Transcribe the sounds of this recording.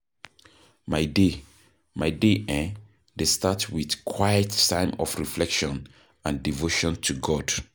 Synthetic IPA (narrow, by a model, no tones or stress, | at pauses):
maɪde | maɪdeʔɛ̃n | destatwiðkʰwaɪətsãɪ̃mɔ̰fɹiflɛkʃɔ̃n | ãndivoʃɔ̃ntʰuɡɔd̥